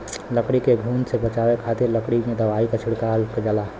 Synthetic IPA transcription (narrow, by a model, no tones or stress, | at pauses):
ləkɽikeɡʱuːnsebət͡ʃaːwekʰaːt̪ɪɾləkɽimẽd̪əʋaːikat͡ʃʰɪɽkalkd͡ʒala